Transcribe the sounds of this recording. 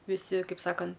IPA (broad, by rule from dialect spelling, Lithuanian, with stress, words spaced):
ʋʲɪˈsʲɪ ˈkɐɪp ˈsɑːkɐn